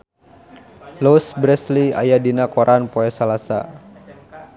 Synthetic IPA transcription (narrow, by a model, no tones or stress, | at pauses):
losbɾɛslia̰jadinakɔɾʔanpoɛsalasa̰